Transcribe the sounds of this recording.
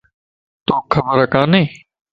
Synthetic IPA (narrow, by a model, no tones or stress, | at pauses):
t̪oːkʰəbəɾəkãːnẽː